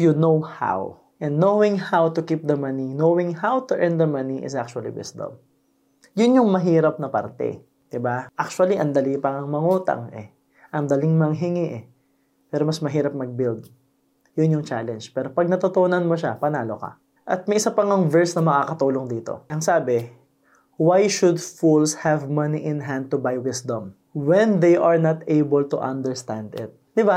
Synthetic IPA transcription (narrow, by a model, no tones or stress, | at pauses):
jʊnowha̰w | ʔɛ̃nd̪ːowɪ̃ŋhawt̪ʊkip̚d̪ɐmɐninowɪ̃ŋhawt̪ʊʔɛnd̪ɐmɐniʔɪ̰sak̚t͡ʃʊɐlḭwɪ̰sd̪ɐ̰m | jʊnjʊŋmɐɦiːɾɐp̚nɐpɐ̰ɾt̪ɛ̰ | d̪̥ɪbaʔak̚t͡ʃwɐliʔɐŋd̪ɐliŋpɐŋɐŋmɐŋuːt̪ɐ̰ŋɛ̰ | ʔɐŋd̪ɐlɪŋmɐŋɦɪŋɪʔɛ | pɛːɾomɐsmɐɦiːɾɐp̚mɐɡ̚bild̪̚ | jʊnjʊŋt͡ʃalɛnd͡ʒpɛːɾopɐɡ̚nɐt̪ot̪onɐnmoʃapɐnaːlo̞kɐ̰ | ʔɐt̪̚mɐjʔɪsapɐŋɐŋvɛɹsnɐmɐkakɐt̪uːloŋd̪iːt̪o̞̰ʔɐŋsaːbɪ | wajʃʊd̪fulshɛvmɐniʔɪ̃nɦand̪̚t̪ʊbajwɪsd̪õm | wɛnd̪ejʔɐɹnɐt̪ejbɛlt̪ʊʔɐnd̪ɛɹst̪ãnd̪ɪ̰t̪̚d̪ɪba